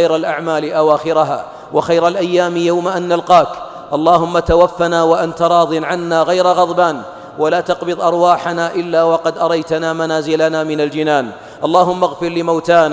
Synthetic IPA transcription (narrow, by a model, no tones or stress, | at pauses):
jɾalʔaʕmaːlɪʔawaːxɪɾaɦa̰ː | waxajɾalʔajːaːmjawmaʔanːalqɑːk | ʔɑlˤːɑːhʊmːat̪awafːanaːwaʔant̪ɑɾˤɑːðˤɨnʕanːaːɣajɾaɣɑðˤbaːn | walaːt̪ɑqbɨðˤʔɑɾˤwaːħanaːʔɪlːaːwɑqɑd̪ʔɑɾˤɑjt̪anaːmanaːzɪlanaːmɪnald͡ʒɪnaːn | ʔɑlˤːɑːɦʊmːaɣfɪɾlɪmawt̪aːnː